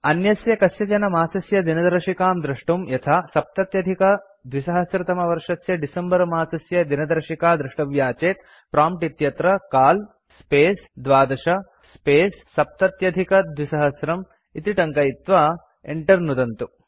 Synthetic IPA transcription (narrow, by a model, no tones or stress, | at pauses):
ɐnjɐsjɐkɐsjɐt͡ʃɐnɐmaːsɐsjɐd̪inɐd̪ɐɾʂikaːmd̪ɾɐʂʈumjɐt̪ʰaːsɐp̚t̪ɐt̪jɐd̪ʱikɐ | d̪ʋisɐɦɐsɾɐt̪ɐmɐʋɐɾʂɐsjɐɖisɐmbɐɾmaːsɐsjɐd̪inɐd̪ɐɾʂikaːd̪ɾuʂʈɐʋjaːt͡ʃeːt̪̚ | pɾaːmpʈit̪jɐt̪ɾɐkaːl | speːsd̪ʋaːd̪ɐʂɐ | speːsːɐp̚t̪ɐt̪jɐd̪ʱikɐd̪ʱʋisɐɦɐsɾɐm | it̪iʈɐŋkɐjit̪ʋa | ḛɳʈɐɾnud̪ɐnt̪u